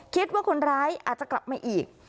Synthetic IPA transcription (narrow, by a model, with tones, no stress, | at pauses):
kʰi˦˥t̪̚waː˥˩kʰo˧nɾaː˦˥jʔaː˨˩t̪̚t͡ɕa˨˩kla˨˩p̚maː˧ʔiː˨˩k̚